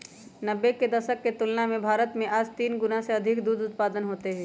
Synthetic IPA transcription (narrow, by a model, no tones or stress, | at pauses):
nɐbeked̪ɐʃəkːet̪ʊlnamẽbʱaːɾət̪mẽʔaːd͡ʒt̪iːnɡʊnaɦseɐd̪ʱɪkd̪uːd̪ʊt̪paːd̪ənɦoːt̪eɦɛ̃ː